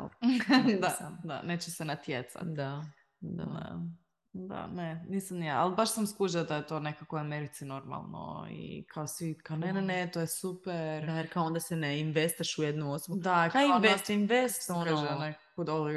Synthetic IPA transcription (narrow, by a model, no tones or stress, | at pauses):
ld̪ad̪a̰neːt͡ɕɛsɛnat̪jet̪sa̰t̪d̪a | d̪a̰a̰ | d̪a̰nenisamnijaa̰lˠbaʃsamskuʒad̪ajet̪o̞nekakoameɾit̪sino̞ɾma̰lˠno̰ḭkʰaosʋikanenenet̪ojesupeɾajeɾkaoond̪asɛneinʋest̪aʃujed̪nuosobud̪akainvest̪inʋest̪saoaaʒeneakod̪oli